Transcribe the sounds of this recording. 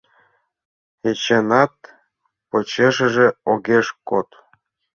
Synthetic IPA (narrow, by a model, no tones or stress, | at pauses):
et͡ɕenɑt̪̚ | pot͡ɕeʃə̆ʒĕoɣeʃkot̪